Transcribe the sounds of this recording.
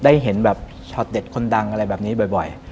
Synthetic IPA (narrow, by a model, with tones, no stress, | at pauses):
daː˥˩jɦe˩˦nbɛː˨˩p̚ | t͡ɕʰɔ˨˩t̪̚de˨˩t̪̚kʰo˧nda˧ŋʔa˧ɾa˧jbɛː˨˩p̚niː˦˥bɔ˨˩jbɔ˨˩j